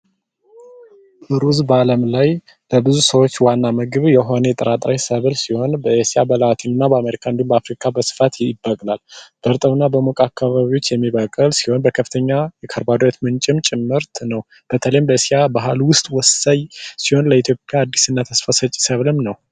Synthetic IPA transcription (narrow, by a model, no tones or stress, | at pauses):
ʔɨɾuzbəaləmlaj | bəbɨzusəwo̞t͡ʃːwanːamɨɡɨβjɛɦo̞net̪ʼəɾat̪ʼɾajsəβɨlsiho̞nbəesijabəlwat̪ʰinɨnːabəameɾikʰaɨnd̪umbəafɾikʰabəsɨ̥fat̪jbːəkʼlalb̥əɾt̪ʼəwnːabəmokʼakʰːaβaβiwo̞t͡ʃːjɛmːiβəkʼɨlsiho̞nbəkʰəfɨ̥t̪ʰəɲːajɛkʰəɾbad̪ɾet̪mɨnt͡ʃʼɪmt͡ʃʼɪmːɨɾt̪ʰnəw | b̥ət̪ʰələjmbəesiabaɦalwʊst̪ʼwɔsajsiho̞nləit̪ʰjo̞pʼːjaːd̪ːisɨnːat̪ʰəsfəsət͡ʃʼisəβlɨmnəw